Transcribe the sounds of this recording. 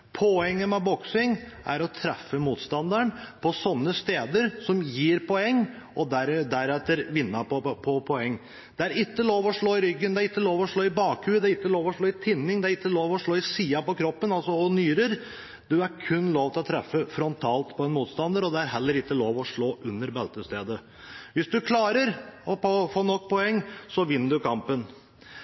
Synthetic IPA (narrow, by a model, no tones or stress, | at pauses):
pʰɔɛŋːəmɛbɔksɪŋʔæ̰ɾɔt̪ʰɾɛfːəmuːt̪st̪ɑnd̪əɳpʰɔsɔnːəst̪eːd̪əɾsɔmjiːɾpɔɛŋː | ʔɔd̪æɾd̪æɾɛt̪ːəɾʋɪnːɑpɔpʰɔpʰɔɛŋː | d̪̥ɛæɾɪkːəloːʋɔʂɭoːɪɾʏɡːənd̪ɛæɾɪkːəloːʋɔʂɭoːɪbɑːkʰʉːəd̪ɛæɾɪkːəloːʋɔʂɭoːɪt̪ʰɪnːɪŋd̪ɛæɾɪkːəloːʋɔʂɭoːɪsiːɑpɔkʰɾɔpːənɑlsɔɔnyːɾəɾ | d̪ʉæɾkʰʉnːloːʋt̪ɪlɔt̪ʰɾɛfːəfɾɔnt̪ʰɑːlt̪pʰɔɛnmuːt̪st̪ɑnd̪əɾɔd̪ɛæɾɦɛlːəɾɪkːəloːʋɔʂɭoːʔʉnːəɾbɛlt̪əst̪ḛːd̪ə | ʋɪsd̪ʉkʰlɑːɾəɾɔpɔfoːnɔkːpʰɔɛŋːsɔʋɪnːəɖ̪ʉkʰɑmpən